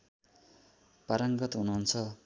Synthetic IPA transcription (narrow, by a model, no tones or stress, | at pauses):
paɾʌŋɡʌt̪ɦunuɦunt͡sʰʌ